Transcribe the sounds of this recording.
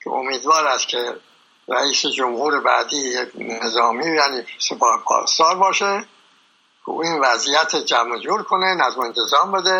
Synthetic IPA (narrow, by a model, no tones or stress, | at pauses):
kʰḛo̰miːd̪vɒːɾæst̪kʰe | ɾæ̰iːsed͡ʒomhuːɾebæ̰ːd̪iːjekʰnezɒːmiːjæːniːsepʰɒːhepʰɒ̰ːst̪ɒːɾbɒːʃe | kṵinvæzijæt̪ʰed͡ʒæmod͡ʒuːɾkʰonenæzmoent̪ʰezɒːmbe̞d̪e